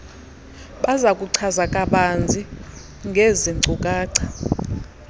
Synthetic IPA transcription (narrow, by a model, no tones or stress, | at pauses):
ɓazakʼuǀʰazakʼaɓand͡zʱi | ŋɡʱeziŋ͡ǀʱukʼaːǀʰḁ